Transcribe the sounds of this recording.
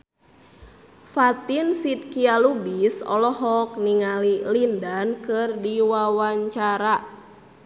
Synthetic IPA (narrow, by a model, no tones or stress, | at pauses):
fat̪insit̪̚kialubisɔ̰lɔɦɔk̚niŋalilindankɨrdiwawaɲt͡ʃaɾa